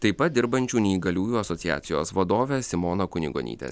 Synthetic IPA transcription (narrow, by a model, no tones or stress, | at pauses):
t̪ɐɪpɐt̪̚d̪ʲɪɾbɐnʲt͡ʃʲuːnʲɛiːɡɐlʲuːjuːɐsɔt̪sʲɪjæ̰ːt̪sʲɪjo̰ːsʋɐd̪oːʋʲɛsʲɪmoːnoːkʊnʲɪ̰ɡo̰ːnʲḭːt̪ʲḛs